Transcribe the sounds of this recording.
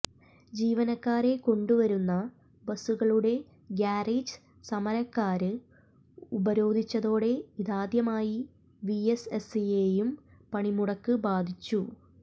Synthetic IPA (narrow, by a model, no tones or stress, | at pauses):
d͡ʑiːʋɐnɐkːaːɾe̞ko̞ɳɖuʋɐɾunːɐ | bɐsuɣɐɭuɽe̞ | ɡjaːriːd͡ʑɨ | sɐmɐɾɐkːaːɾɨ | ubɐɾo̞ːd̪ʱit͡ɕːɐðo̞ːɽe̞iðaːd̪jɐmaːji | ʋiesesijejumpɐɳimuɽɐkːɨbaːd̪ʱit͡ɕːu